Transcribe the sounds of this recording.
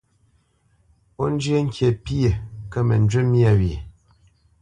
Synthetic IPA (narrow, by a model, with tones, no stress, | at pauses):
o˦n˦d͡ʒje˦ŋ̩˦kje˨pi˦e˨kə˦mə̰˨n˦d͡ʒɥe˦mi˦a˦˨ɥi˨